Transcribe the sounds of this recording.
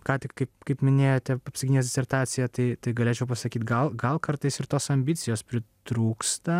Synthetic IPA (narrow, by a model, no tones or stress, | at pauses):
kɑːt̪ʲɪkkɐɪpkɐɪpmʲɪnʲeːjoːt̪ʲɛɐpʲsʲɪɡʲinʲeːsdʲɪsʲɛɾt̪ɑːt̪sʲɪjɛt̪ɐɪt̪ɐɪɡɐlʲeːt͡ʃʲɛʊpɐsɐkʲiːt̪ɡɐlˠɡɐlˠkɐɾt̪ɐɪsɪɾt̪oːsɐmʲbʲɪt̪sʲɪjoːspʲɾʲɪt̪ɾuːkst̪ɐ